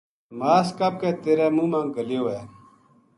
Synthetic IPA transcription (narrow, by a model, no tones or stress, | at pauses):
maːskɐp̚keːt̪eɾemũmãŋkɐljoːeː